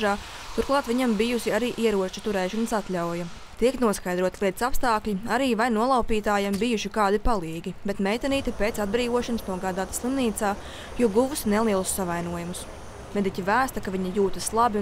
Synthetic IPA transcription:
ʒaː | t̪uɾklˠɑːt̪ʋiɲambijusiaɾiːʔiɛɾuɔt͡ʃu̥t̪uɾɛːʃansat̪ʎʲawjɐ | t̪iɛknuɔskajd̪ɾuɔt̪lʲˠit̪sapst̪aːklʲiaɾiːvajnuɔlˠɑwpiːt̪aːjambijuʃikaːd̪ipalˠiːɡʲibet̪mʲɛjt̪aniːt̪ɛpet̪sad̪̚bɾiːʋuɔʃansnuɔɡaːd̪aːt̪slˠimniːt̪saː | juɔɡuvusnɛlˠiɛlˠusːavajnuɔjumus | med̪icʲivæːst̪ɐkaviɲɐjuːt̪ɐslˠabi

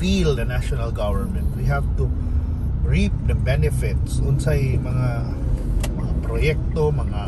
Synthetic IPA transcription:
fild̪ɐnaʃɔnalɡavəɹmɛ̃nt̪wiɦavt̪u | ɹip̚d̪ɐbɛnɪfɪt̪sʔʊnsajmɐŋa | mɐŋapɾojɛk̚t̪omɐŋa

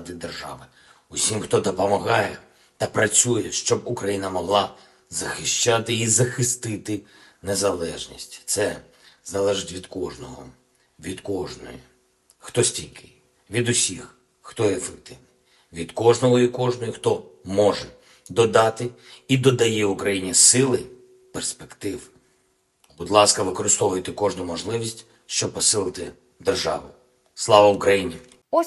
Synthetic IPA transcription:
d̪ɪd̪erʒɑ̰ʋɪ | usʲimxt̪ɔd̪ɔpɔmɐɦɑjɛ | t̪ɐpɾɐt͡sʲujɛʃt͡ʃɔbukɾɐjinɐmɔɦlˠɑ | zɐxɪʃt͡ʃat̪ɪizɐxɪst̪ɪt̪ɪ | nezɐlˠɛʒnʲḭsʲtʲt̪sɛ | zɐlˠɛʒɪtʲʋʲid̪kɔʒnɔɦɔ̰ | ʋʲid̪kɔʒnɔ̰ji | xt̪ɔsʲtʲilʲkɪ | ʋʲid̪ʊsʲix | xt̪ɔefekt̪ɪʋni | ʋʲid̪kɔʒnɔɦɔikɔʒnɔjʊxt̪ɔmɔʒɛ | d̪ɔd̪ɑt̪ɪid̪ɔd̪ɐjɛukɾɐjinʲisɪlˠɪ | perspekt̪ɪw | bud̪lˠɑskɐʋɪkɔɾɪst̪ɔʋʊjet̪ɪkɔʒnʊmɔʒlˠɪʋʲisʲtʲ | ʃt͡ʃɔb̚pɔsɪlˠɪt̪ɪ | d̪erʒɑ̰ʋʊ | slˠɑʋɐʊkɾɐjinʲi

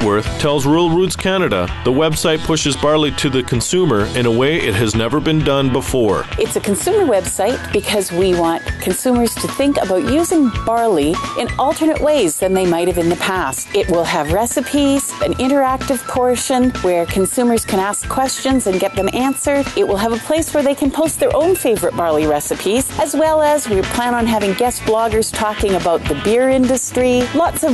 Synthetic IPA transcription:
wɜ˞θtʰɛlˠzɹul̩ˠɹʉdz̥kʰænɨɾə̰ðəwɛbsaɪt̚pʰʊʃɨzbɑɹlˠiɾɨðɨkʰn̩sʉmə˞ɨ̃ñəweɪʔɪt̚ɦɨznɛvə˞bɨ̃ndʌ̃nbəfɔɹʔɨtsɨkʰɨ̃nsʉmə˞wɛb̥saɪt̚b̥ɨkʰʌzwiwɑ̃nkʰɨ̃nsʉmə˞z̥tʰɨθɪ̃ŋkɨ̰baʊtjʉzɪ̃ŋb̥ɑɹliʔɨ̃nʌlˠtʰə˞nɨʔweɪzðɨ̃nðeɪmaɪɾ̚hɨvɨ̃nðɨpʰæst̚ɪʔ̚wɪlˠəvɹɛsɨpʰiz̥ɨ̃nɪ̃ɾ̃ə˞æk̚tɨv̥pʰɔɹʃɨ̃nwə˞kʰɨ̃n̩sʉmə˞z̥kʰɨ̃ɾ̃æskʰːw̥ɛst͡ʃɨ̃nzɨ̃nɡɛt̪̚ðɨ̃mæ̃nsə˞ɪʔ̚wəlˠəvəpʰl̥eɪswə˞ðeɪkʰɨ̃npʰoʊst̪̚ðə˞ʔõʊ̃nfeɪvə˞ɨt̚b̥ɑɹlˠiɹɛsɨpʰiz̥ɨzwɛlˠəzwiɹpʰl̥æ̃ñə̃nɦævɪ̃ŋɡɛsb̥lɔɡə˞z̥tʰɔkɪ̃ŋɨbaʊt̪̚ðɨbɪɹɪ̃ndɨstɹ̥ilɔtsʌv

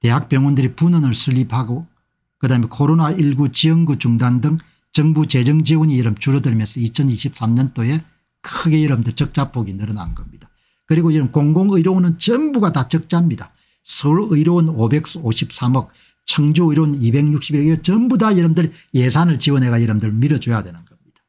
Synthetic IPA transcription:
te̞ɦak̚p͈jʌŋwʌndɯɾipunɯnɯɭsʰɯʎːipʰaɡo | kɯdaɦamekʰoɾonaiɭɡut͡ɕiʌŋɡut͡ɕuŋdandɯŋ | t͡ɕʌŋbut͡ɕe̞d͡ʑʌŋd͡ʑiwʌɲijʌɾɯmt͡ɕuɾʌdɯɭimjʌnsʰʌit͡ɕʰʌniɕʰip̚s͈amɲʌnt͈oje̞ | kʰɯɡe̞jʌɾʌmdɯɭt͡ɕʌk̚t͡ɕ͈apʰoɡinɯɾʌna̰nɡʌmɲid̥a | kɯɾiɡojʌɾɯmkoŋɡoŋɯjɾonɯnt͡ɕʌmbuɡatat͡ɕʌk̚t͡ɕ͈amɲida | sʰʌuɾɯiɾonobe̞k̚s͈oɕʰip̚s͈amʌk̚ | t͡ɕʰʌŋd͡ʑuɯiɾonibe̞ŋɲuk̚ɕ͈ibiɾiɡʌt͡ɕʌmbudajʌɾʌmdɯɾjesʰanɯɭt͡ɕiwʌnɦe̞ɣajɯɾɯmdɯɭmiɾʌd͡ʑojadwe̞nɯnɡʌmɲid̥a

